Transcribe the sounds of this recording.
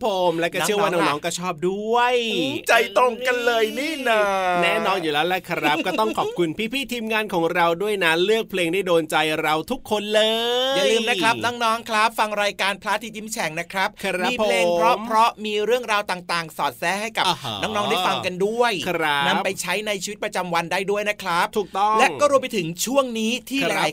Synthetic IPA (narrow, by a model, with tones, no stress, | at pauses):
pʰo˨˩˦mlɛ˦˥kɔː˥˩ɯ˥˩waː˥˩nɔː˦˥ŋnɔː˦˥ŋkɔː˥˩t͡ɕʰɔː˥˩p̚du˥˩əjt͡ɕa˧jt̪o˨˧˩ŋka˧nlɤː˧jniː˥˩na˧˩nɛː˦˥˨nɔː˧njuː˨˩lɛː˦˥wlɛ˦˥kʰɾa˦˥kɔː˥˩t̪ɔ˥˩ŋkʰɔː˨˩p̚kʰu˧npʰiː˦˥˩pʰiː˥˩t̪ʰiː˧mŋaː˧nkʰɔː˩˦ŋɾa˧wdu˥˩əjna˦˥lɯ˥˩ək̚pʰleː˧ŋdaː˥˩jdoː˧nt͡ɕa˧jɾa˧wt̪ʰu˦˥kʰːo˧nlɤː˧ja˨˩lɯː˧mna˦˥kʰɾa˦˥p̚nɔː˦˥ŋnɔː˦˥ŋkʰɾa˦˥p̚fa˧ŋɾaː˧jkaː˧npʰlaː˦˥t̪ʰiː˦˥t͡ɕi˦˥mt͡ɕʰɛ˩˦ŋna˦˥kʰɾa˦˥p̚ʰːpʰpleː˧˨˩ŋʰɾɔ˦˥pʰɾɔ˦˥miː˧ɾɯ˥˩əŋɾaː˧wt̪aː˨˩ŋt̪aː˨˩ŋsɔː˨˩t̪̚sɛː˦˥ha˥˩jka˨˩pnɔː˦˥ŋnɔː˦˥ŋda˥˩fa˧ŋka˧ndu˥˩əja˦na˧pa˧jjt͡ɕʰa˦˥jna˧jt͡ɕʰiː˧wt̪̚p̚ɾa˧t͡ɕa˧mwa˧ndaː˥˩jdu˥˩əjna˦˥kʰɾa˦˥p̚t̪ʰuː˨˩k̚t̪ɔ˥˩lɛ˦˥ʔŋkkɔː˥˩ɾu˧əpa˧jt̪ʰɯ˩˦ŋt͡ɕʰu˥˩əŋniː˦˥t̪ʰiː˥˩a˧j